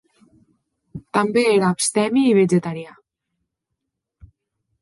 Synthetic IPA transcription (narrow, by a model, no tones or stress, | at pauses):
t̪ambeeɾaːpst̪ɛmiːβ̞ed͡ʒet̪aɾja